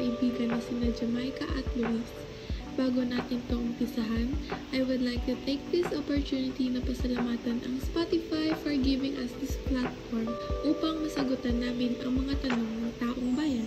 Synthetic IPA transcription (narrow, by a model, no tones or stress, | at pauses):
ɐʔɪbiːɡɐnːɐsɪnad͡ʒɐmajkɐʔɐ̰t̪̚wɪlas | b̥aːɡo̞naːt̪ɪnpɐʔʊmpɪsɐɦanʔɐjwʊd̪lajk̚t̪ʊt̪ejk̚d̪ɪsʔopoɹt̪uːnɪt̪inɐpɐsɐlɐmaːt̪ɐnʔɐŋspat̪ɪfajfɔɹɡɪvɪŋʔɐsd̪ɪsplat̪foɹmʔuːpɐŋmɐsɐɡot̪ɐnːaːmɪnɐŋmɐŋat̪ɐno̞ŋnɐŋt̪aːʔoŋbaːjɐn